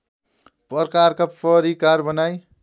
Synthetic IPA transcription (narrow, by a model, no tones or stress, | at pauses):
pʌrkarkapʰʌɾikarbʌnaj